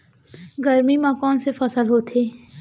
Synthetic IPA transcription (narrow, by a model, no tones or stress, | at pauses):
ɡəɾmimãkɔːnsefəsəlɦoːt̪ʰeː